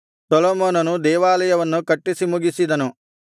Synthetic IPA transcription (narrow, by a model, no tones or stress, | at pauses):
sɐloːmoːnɐnud̪ɛːʋaːlɐjɐʋɐnːukɐʈːisimuɡisid̪ɐnu